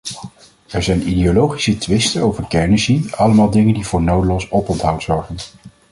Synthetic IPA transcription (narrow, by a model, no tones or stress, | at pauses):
ɛɹzɛjnideolowχisətʋɪstənowvəɹkɛɹnəsiɑləmaːlˠdɪŋəndivʊːɹnowdəlɔsɔpɔntɦʌwtz̥ɔɹχən